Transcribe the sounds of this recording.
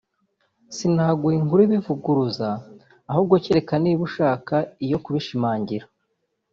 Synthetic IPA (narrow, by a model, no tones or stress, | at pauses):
sinhaːɡuiŋɡuɾiβivuɡuɾuzaː | hubɡoceɾe̞kaniːβuʃaːkaijo̞kuβiʃimaːɲɟiɾa